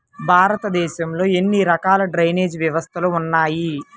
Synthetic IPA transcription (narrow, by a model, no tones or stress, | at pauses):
bʱaːɾɐt̪ɐd̪ɛːʃɐmlo̞ːe̞nːiɾɐkaːlɐɖɾɐjne̞ːd͡ʒʋjɐʋɐst̪ʰɐluːnːaːji